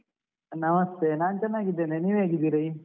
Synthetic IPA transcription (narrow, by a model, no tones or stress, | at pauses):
nɐmɐst̪eːnaːnt͡ʃɐnːaːɡid̪eneniʋeːɡid̪iɾɐi